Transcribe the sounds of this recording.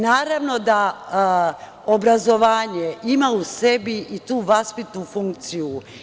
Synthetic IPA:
naːɾaʋno̞d̪a | obɾazo̞ʋaːɲe̞imausebiʔit̪uːʋaspit̪nufuŋk̚t̪siju

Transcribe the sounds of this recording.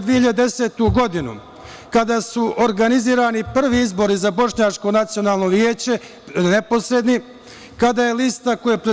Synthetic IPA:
d̪ʋieiʎad̪ed̪ese̞ːt̪uɡo̞d̪inṵ | kad̪asuʔoɾɡaniziːɾaːnipr̩ʋiizbo̞ɾizabo̞ʃɲat͡ʃko̞nat̪sio̞naːlˠno̞ʋjeːt͡ɕe̞ | nepo̞sɾe̞d̪ni | kad̪aːje̞list̪ako̞jepɾe

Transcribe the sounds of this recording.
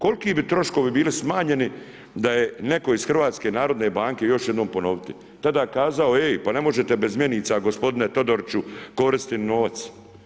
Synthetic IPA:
ko̞lkiːbit̪ɾo̞ʃko̞ʋibiːlismaːɲe̞ni | d̪ajene̞ko̞iz̥xr̩ʋaːt̪skenaːɾo̞d̪ne̞baːŋke̞jo̞ʃje̞d̪noːmpo̞no̞ʋit̪i | t̪ad̪aːkaːzaoejpane̞mo̞ʒet̪ebe̞zmjeniːt̪saɡo̞spo̞d̪inet̪o̞d̪oɾt͡ʃuko̞ɾist̪inoːʋat̪s

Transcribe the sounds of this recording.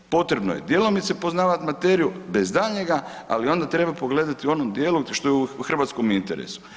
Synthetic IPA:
po̞t̪ɾe̞bno̰je̞̰d̪je̞lo̞mit̪sepo̞znaːʋat̪mat̪e̞ːɾijube̞zd̪aʎɲe̞ɡaa̰lio̞nd̪at̪ɾe̞bapo̞ɡle̞d̪at̪io̞nomd̪jeluʃt̪o̞jeuuxr̩ʋat̪sko̞mint̪e̞̰ɾḛsu̥

